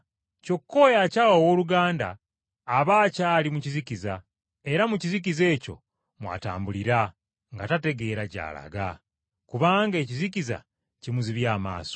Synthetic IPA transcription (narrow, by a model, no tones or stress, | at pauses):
co̞kːo̞jacaːwowoːluɡaːnda̰ː | βaːcaːlimucizikiza | e̞ɾamucizik̬ize̞ːco̞̰ | mwa̰ːta̰ːmbuliɾa | ŋɡatate̞ɡe̞ːɾaɟa̰ːla̰ɡa | kuβaːŋɡe̞ːciziciza̰ | cimuziβjaːma̰ːso̥